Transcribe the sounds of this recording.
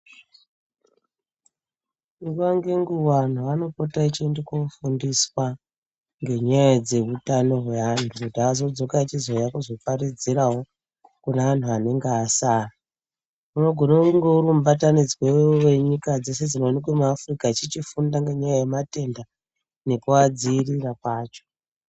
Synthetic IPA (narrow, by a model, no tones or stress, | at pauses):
iwaŋɡe̞ŋɡuwan̤uano̞po̞tait͡ʃendekofundiswa | ŋɡe̞ɲajad͡ze̞ɦutano̞ɦwe̞antʰukutiazo̞d͡zo̞kat͡ʃizo̞jakuzo̞paɾid͡ziɾawo̞ | kuneʋan̤uane̞ŋɡeasaːra | uno̞ɡʱo̞noŋɡeuɾum̩ubatanid͡zwewewe̞ɲikad͡ze̞se̞d͡zinonikemuafrikat͡ʃit͡ʃifundaŋɡe̞ɲajajemate̞nda | ne̞kuad͡ziːrirakwaːt͡ʃo̥